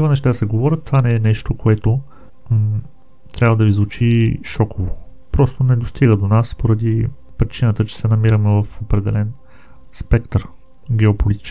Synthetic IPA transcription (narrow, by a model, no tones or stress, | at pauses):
ivɐnɛʃt̪ad̪sɛɡovɔɾʲət̪ːvanɛɛnɛʃt̪okoɛt̪o | t̪ɾʲabvəd̪ɐizvʊt͡ʃiʃɔkʰovo | pɾɔst̪onɛd̪ost̪ʰiɡəd̪onaspoɾɐd̪i | pɾit͡ʃinət̪ət͡ʃɛ̥sɛnɐmiɾəmɛvɐfopɾɛd̪ɛlɛn | spɛkt̪ɾ | ɡʲɛopolit̪i̥t͡ʃ